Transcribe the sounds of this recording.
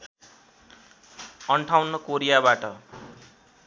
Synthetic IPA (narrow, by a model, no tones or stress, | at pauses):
ʌɳʈʰawnʌkoɾijabaʈʌ